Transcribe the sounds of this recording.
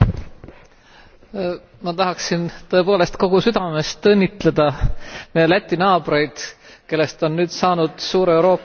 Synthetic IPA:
mɑt̪ɑɦɑksint̪ɤ̞e̞po̞ːle̞st̪ko̞ɡ̥usyd̪̥ɑme̞st̪ɤnʲːit̪ˑle̞d̪̥ɑmejelæt̪ʲːinɑːb̥re̞jd̪̥ke̞lːe̞st̪o̞nːyːd̪̥sɑːnud̪̥suːɾewɾo̞ːpː

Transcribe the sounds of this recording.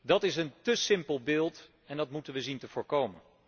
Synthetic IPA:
dɑtɪsəntəsɪmpəlˠbɪːlˠt | ɛndɑtmutənʋəzintəvʊːɹkowmən

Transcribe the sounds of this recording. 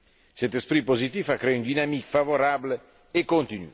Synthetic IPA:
sɛt̪espɾipozit̪ifakɾeynd̪inamikfavoɾaːbl | ekːont̪iny̰

